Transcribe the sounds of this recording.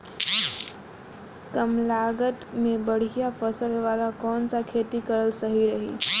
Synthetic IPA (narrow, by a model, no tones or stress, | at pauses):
kəmlaːɡət̪mẽbəɽ̤ijafəsəlʋaːlakɔːnsakʰeːt̪ikəɾəlsəɦiɾəɦḭː